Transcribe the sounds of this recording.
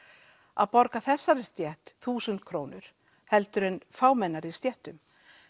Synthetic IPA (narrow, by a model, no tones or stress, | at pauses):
a̰ðpɔɾkaθɛsːaɾɪst̪jɛht̪θuːsʏnt̪̚kʰɾoːwnʏɾ̥ | hɛlt̪ʏɾɪnfaːwmɛnːaɾi̥st̪jɛht̪ʏm